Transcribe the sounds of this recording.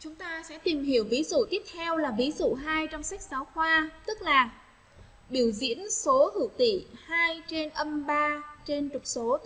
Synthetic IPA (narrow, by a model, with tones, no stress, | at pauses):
t͡ɕʊ˨˦ŋ͡mt̪aː˧sɛ̰˧˥t̪i˨˩mɦi˧˩əwvi˨˦zṵ˧˨t̪i˦˥əp̚t̪ʰɛ˧wlaː˨˩vi˨˦zṵ˧˨ɦaː˧jt͡ɕɔ˧wŋ͡msa˦˥k̟̚saː˨˦wxwaː˧t̪ɨ˦˥k̚laː˨˩ | ɓi˧˩əwzḭ˧˥ənso˨˦hɨ̰˧˩wt̪ḭ˧˨haː˧jt͡ɕe˧nʔə˧mɓaː˧t͡ɕe˧nt͡ɕʊ˨˩k͡p̚so˨˦